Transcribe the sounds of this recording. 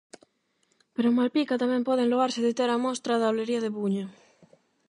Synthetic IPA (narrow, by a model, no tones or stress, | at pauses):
peɾomalpikat̪amempoðeŋloaɾseðet̪eɾamost̪ɾaðaoleɾiaðeβuɲa